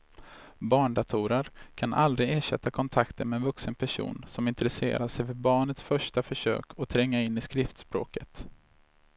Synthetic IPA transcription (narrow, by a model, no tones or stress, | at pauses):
bɑːɳɖat̪ʰuːɾəɾkʰanʔa̰ld̪ɾɪeːʂɛ̰t̪ʰːakʰɔnt̪ʰakt̪ʰəɾmɛɛnvɵksənpʰæʂṵːnsɔmɪnt̪ɾɛsḛːɾaʂɛjvœbɑːɳət̪sfœʂʈafœʂø̰ːkʰɔt̪ʰɾɛŋːaɪnːɪskɾɪft̪spɾo̰ːkət̪